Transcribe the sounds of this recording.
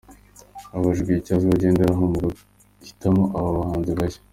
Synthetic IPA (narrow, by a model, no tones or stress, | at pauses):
aβaʒɡicaziβaɟe̞ːndeɾaɦomɡa | ki̥tamoʔaβaβahaːnziβaje̥